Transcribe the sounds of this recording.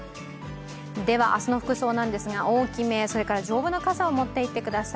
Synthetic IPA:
d̪e̞β̞a̰ʔasɨno̞ɸɯ̥kɯ̟so̞ːnãnd̪e̞sɨɡaʔo̞ːkʲime̞ːso̞ɾe̞kaɾad͡ʑo̞ːbɯ̟nːo̞kasao̞mo̞t̪ːe̞it̪ːe̞kɯ̟d̪asa

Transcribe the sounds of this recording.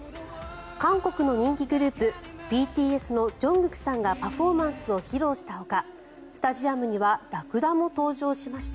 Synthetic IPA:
kãŋko̞kɯ̟no̞ɲ̟ĩŋkʲiɡɯ̟ɾɯ̟ːpɯ̟bʲiːt̪ʲiːe̞sɨno̞d͡ʑõ̞ŋɡɯ̟kʲi̥sãŋɡapaɸo̞ːmãɰ̃sɨo̞çiɾo̞ːɕi̥t̪aɦo̞ka | sɨ̥t̪aʑiamɯ̟ɲ̟iβaɾakɯ̟d̪amo̞t̪o̞ːʑo̞ːɕimaɕi̥t̪a

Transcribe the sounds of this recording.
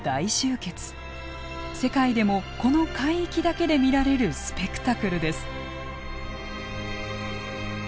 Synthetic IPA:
d̪̥aiɕɨːke̞t͡sɨ̥ | se̞kaid̪e̞mo̞ko̞no̞kaiːkʲid̪ake̞d̪e̞mʲiɾaɾe̞ɾɯ̟sɨ̥pe̞kɯ̟̥t̪akɯ̟ɾɯ̟d̪e̞sɨ̥

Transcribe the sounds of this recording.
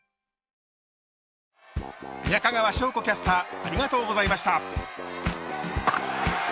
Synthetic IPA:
jakaɡaβaɕo̞ːkokʲasɨ̥t̪aːɾʲiɡat̪o̞ːɡo̞zaimaɕi̥t̪a

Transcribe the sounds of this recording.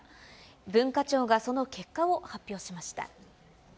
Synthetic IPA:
bɯ̟̃ŋkat͡ɕo̞ːɡaso̞no̞kʰe̞kːao̞hapʲːjo̞ːɕimaɕi̥t̪a̰

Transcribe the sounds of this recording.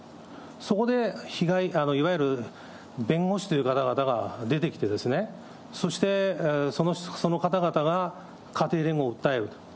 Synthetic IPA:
so̞ko̞d̪e̞çiɡaiʔano̞iβajɯ̟ɾɯ̟ | bẽ̞ŋɡo̞ɕi̥t̪ojɯ̟kat̪aɡat̪aɡad̪e̞t̪e̞kʲi̥t̪e̞d̪e̞sɨne̞ | so̞ɕi̥t̪e̞so̞noso̞no̞kat̪aɡat̪aɡa | kat̪e̞ːɾẽ̞ŋɡo̞ːɯ̟t̪ːaeɾɯ̟̥

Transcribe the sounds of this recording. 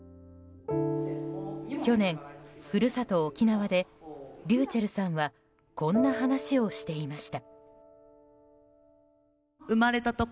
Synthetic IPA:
kʲo̞nẽ̞ŋɸɯ̟ɾɯ̟sat̪o̞ːkʲinaβad̪e̞ɾʲɨːt͡ɕaɾɯ̟sãɰ̃βa | kõ̞nːaɦanaɕio̞ɕi̥t̪e̞imaɕi̥t̪a | ɯmaɾe̞t̪at̪o

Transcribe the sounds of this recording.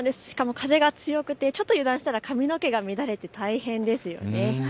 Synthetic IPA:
d̪e̞sɨ̥ɕi̥kamo̞kʰaze̞ɡat͡sɨjo̞kɯ̟t̪e̞t͡ɕo̞t̪ːojɯ̟ːd̪ãɰ̃ɕi̥t̪aɾakʰamʲino̞ke̞ɡamʲid̪aɾe̞t̪e̞t̪aihẽ̞nd̪e̞sɨjo̞̰ne̞

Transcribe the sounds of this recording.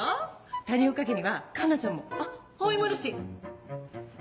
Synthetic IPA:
t̪aɲʲiokakeɲ̟iβakanat͡ɕãmːoahoimoɾɯɕi

